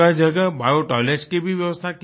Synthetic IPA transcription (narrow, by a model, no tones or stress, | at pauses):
ad͡ʒəɡəbajoʈɔlet͡ʃkebʱiʋjəʋəst̪ʰak